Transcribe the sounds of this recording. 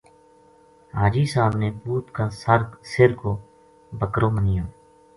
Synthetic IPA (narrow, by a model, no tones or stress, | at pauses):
ɦaːd͡ʒiːsaːbnẽːbuːt̪kãːsəɾsɪɾkoː | bəkɾõːmənɪjõː